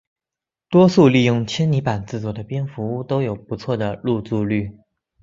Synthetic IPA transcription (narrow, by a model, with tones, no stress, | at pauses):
t̪wɔ˥su˥˧li˥˧jʊ˥˩ŋt͡ɕʰjɛ˥nni˧˥pa˨˩nt͡sɹ̩˥˩t͡swɔ˨˩d̪ə˦pjɛ˥nfu˧˥u˥˧t̪o˥ʊjo˨˩ʊpu˧˥t͡sʰwɔ˥˩d̪ə˩lu˥˧t͡su˥˧ly˥˩